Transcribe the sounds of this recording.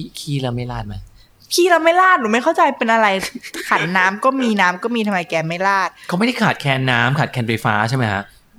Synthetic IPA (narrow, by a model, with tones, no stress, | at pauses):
kʰiː˥˩la˧ma˥˩jlaː˥˩t̪̚ma˦˥˩ | kʰiː˥˩ɾa˧wma˥˩jlaː˥˩t̪̚ɾɯː˩˦ma˥˩jkʰa˥˩wt͡ɕa˧jpe˧nʔa˧ɾa˧jkʰa˨˩˦n̚naː˦˥mkɔː˥˩miː˧naː˦˥mkɔː˥˩miː˧t̪ʰmːa˧jkɛː˧ma˥˩jlaː˥˩t̪̚kʰa˦˥m˥˩jda˥˩jkʰaː˨˩t̪̚kʰɛː˧nːaː˦˥mkʰaː˨˩t̪̚kʰɛː˧nfa˧jfa̰ː˦˥t͡ɕʰa˥˩ma˦jkʰa̰˦˥ʔ